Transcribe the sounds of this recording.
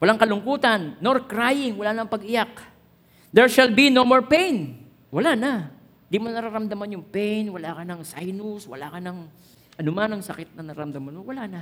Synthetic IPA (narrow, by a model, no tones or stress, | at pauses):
wɐlaŋkɐlʊŋkuːt̪ɐnːoɾkɾajɪŋwɐlaːnɐŋpɐɡʔɪjak̚ | d̪ɛɹʃalbinomoɹpɛjn | wɐlanɐ | nd̪imonɐɾaɾɐmd̪amanjʊŋpɛjnwɐlaːkɐnɐŋsajnʊswɐ̰lakɐnɐŋ | ʔɐnʊmanɐŋsɐkɪt̪̚nɐnɐɾa̰ɾɐmd̪amanmowɐlanɐ